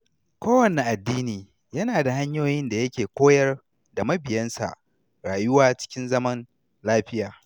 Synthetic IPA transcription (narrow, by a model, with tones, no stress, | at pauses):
kʷoː˦wɐ˨ne˨ʔa˨dːiː˦niː˨ | jɐ˦naː˨da˨ha˦ɲjoː˦jɪ˦nda˨jɐ˦kʲeː˨kʷoː˦jɐ˦r | da˨mɐ˦bɪ˨jɐ˦nsa̰˨ʔ | ɽaː˨jʊ˦waː˦t͡ʃɪ̥˦kʲɪ˦nzɐ˦mɐ˦n | laː˦ɸɪ˦jaː˨